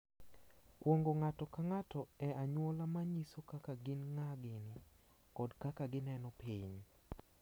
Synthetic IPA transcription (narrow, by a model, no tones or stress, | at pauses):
kwoŋɡoŋatɔkaŋatɔɛʔaɲwɔlamaɲisokakaɡɪnŋaɡɪnɪ | kɔdkakaɡɪnɛnɔpiɲ